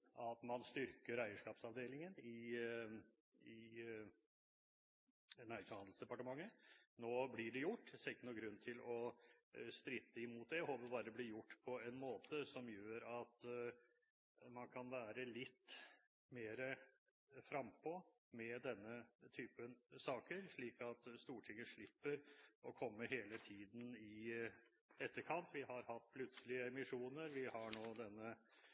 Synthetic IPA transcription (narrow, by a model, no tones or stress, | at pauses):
ʔɑt̪mɑnst̪ʏɾkəɾæɪəʂkɑːpsɑʋd̪eːlɪŋənɪ | ɪ | næɪʂnhɑnd̪̩sd̪ɛpɑʈəmɑŋːənoːblɪɖɛjʊʈːsɛɪkːənuːɡɾʉnːt̪ʰɪlɔ | st̪ɾɪt̪ːəɪmuːt̪̚d̪ɛjhoːpəɾbɑːɾəd̪ɛblɪjʊʈːpʰɔɛnmoːt̪əsɔmjøːɾɑt̪ | mɑnkʰɑnʋæːɾəlɪt̪ː | meːɾə | fɾɑmpʰɔ | mɛd̪ɛnːət̪ʰyːpənsɑːkəɾʂɭiːkɑt̪st̪uːʈʰɪŋːəʂɭɪpːəɾʔɔkʰɔmːəɦeːlət̪ʰiːd̪n̩ɪ | ɛt̪ːəɾkʰɑnt̪ʋɪhɑɾhɑt̪̚ːpʰlʉt̪səlɪəɛmɪʂuːnəɾʋɪhɑɳoːd̪ɛnːə